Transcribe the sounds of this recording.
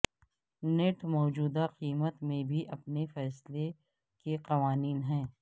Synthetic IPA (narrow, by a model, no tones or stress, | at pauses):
neʈmɔːd͡ʒuːd̪aqiːmət̪mẽbʱiʔɐpnefɛːsle | keqɐʋaːniːnɦɛ̃ː